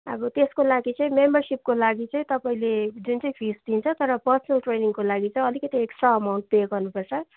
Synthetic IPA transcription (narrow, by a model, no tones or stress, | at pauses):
ʌbʌt̪eskolaɡit͡sʌĩmembʌrsip̚kolaɡit͡sʌĩt̪ʌpaĩled͡zunt͡sʌĩpʰisd̪int͡sʰʌt̪ʌɾʌpʌrsʌnʌlʈreniŋkolaɡit͡saĩʌlikʌt̪ieksʈaːmaw̃ɳʈ̚d̪eɡʌrnupʌrt͡sʰʌ